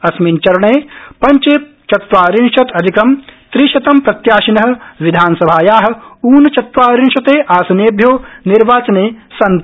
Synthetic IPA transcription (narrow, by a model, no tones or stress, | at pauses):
ɐsmint͡ʃɐɾɐɳeːpɐɲt͡ʃeː | t͡ʃɐt̪ʋaːɾinʃɐt̪ɐd̪ʱikɐmt̪ɾiʃɐt̪ɐmpɾɐt̪jaːʃinɐɦɐ̆ʋid̪ʱaːnsɐbʱaːjaːɦɐ̆uːnɐt͡ʃɐt̪ʋaːɾinʃɐt̪eːʔaːsɐneːbʱjoːniɾʋaːt͡ʃɐneːsɐnt̪